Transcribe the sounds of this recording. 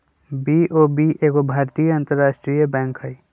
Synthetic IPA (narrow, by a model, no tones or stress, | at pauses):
biʔoːbiʔeːɡobʱaːɾt̪ijəə̃nt̪əɾːaːʃʈɾijəbɛ̃ːŋkɦəi